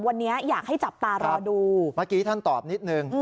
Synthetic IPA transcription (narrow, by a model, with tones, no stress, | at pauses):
wa˧nːi˦˥ɐjaː˨˩k̚ha˥˩jt͡ɕa˨˩p̚t̪aː˧ɾɔː˦˧duː˧ma˦˥˩kiː˦˥t̪ʰa˥˩nt̪ɔː˨˩p̚ni˦˥t̪̚nɯ˧ŋ˧